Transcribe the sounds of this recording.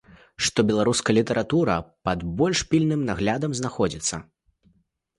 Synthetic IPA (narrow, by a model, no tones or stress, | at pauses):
ʂt̪ɔbʲɛlˠaɾuskɐlʲit̪ɐɾʔat̪uɾɐ̰pɐd̪bɔlʲʂpʲilʲnɨmnaɣlʲad̪ɐmznaxɔd͡zʲit̪sːɐ̰